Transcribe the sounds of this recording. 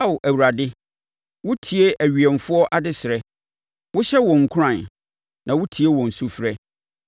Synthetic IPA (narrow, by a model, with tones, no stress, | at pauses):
a˦wʔæ˨wu˨ɾa˨dɪ˦ | wʊ˦tʰi˨e˦ʔæ˨ɥi˨ɛ˨nfʊ˦ɔ˦ʔa˦dɪ˦sɪ˨ɾɛ˦ | wʊ˦ɕɛ˦wɔ̃˨ŋ̩˨kʷʰʊ˦ã˨n | nã˨wʊ˦tʰi˨e˦wɔ̃˨n̩˨su˦fɾɛ˦